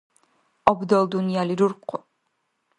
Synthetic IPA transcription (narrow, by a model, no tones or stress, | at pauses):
ɔbd̪ɔlˠd̪unijaliɾuɾqʰːʊ